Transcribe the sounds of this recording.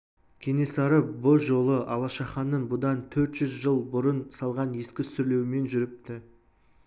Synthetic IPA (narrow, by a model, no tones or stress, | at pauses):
kʲʰene̞sɑɾəboʒo̞lˠəʔɑlˠɑʃɑχɑnːəɴbʊd̪ɑnt̪ʰɵɾt̪ʒ̥ʏzʒəlˠbʊɾənsɑlˠʁɑnje̞skʲɪsʏɾle̞wɪme̞nʒʏɾɪp̚t̪ɪ